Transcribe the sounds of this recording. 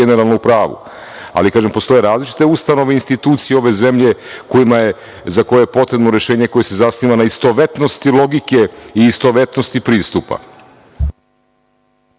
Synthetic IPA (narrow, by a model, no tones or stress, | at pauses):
eneɾalˠnoupɾaːʋṵ | a̰likaːʒempo̞st̪o̞je̞ɾaːzlit͡ʃi̥t̪e̞ust̪ano̞ʋeinst̪it̪uːt̪sijeo̞ʋe̞ze̞mʎe̞ko̞jimaje | zakojeepo̞t̪ɾe̞bnoɾe̞ʃe̞ːɲe̞ko̞je̞sezasniːʋanaist̪o̞ʋe̞t̪no̞st̪ilˠo̞ɡike̞iːst̪o̞ʋe̞t̪nost̪ipɾiːst̪upa̰